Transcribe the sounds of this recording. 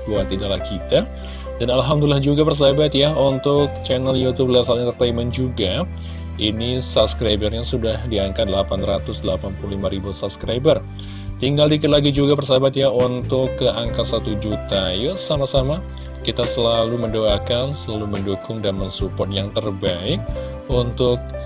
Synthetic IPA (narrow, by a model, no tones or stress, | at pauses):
buat̪idalahkit̪a | danalɦamd̪ulilahd͡ʒuɡapərs̬abat̪jaunt̪ʊk̚t͡ʃɛnəljut̪ub̚lasalɲat̪ərt̪aimɛnd͡ʒuɡa | inisabskɾajbərɲasudahdiaŋkatdəlapanrat̪ʊsdəlapanpuluhlimaɾibusabskɾajbər | t̪iŋɡaldikɪt̪laɡid͡ʒuɡapərs̬abat̪jaunt̪ʊkːəʔaŋkat̪sat̪ud͡ʒut̪ajasamasama | kit̪asəlaluməndoakansəlaluməndukʊŋdamansupɔt̪̚jaŋt̪ərbaɪk̚ | unt̪ʊk̚